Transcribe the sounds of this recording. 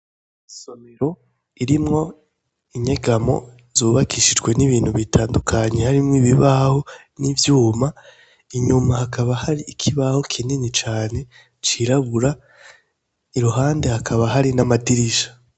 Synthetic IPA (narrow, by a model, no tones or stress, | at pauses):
iso̞meɾo̞ | iɾimŋo̞ | iɲe̞ɡamo̞̰ | zuːβakʰiʃid͡ʒɡwe̞niβiːn̥huβitʰaːndukʰaɲe̞haɾimŋiβiβaho̞ | nivjuːma | iɲumahakʰaβahaɾiːkʰiβaho̞kʰininit͡ʃaːne̞ | t͡ʃiɾaβuɾa | iɾuɦaːnde̞hakʰaβaɦaɾinamadiɾiʃḁ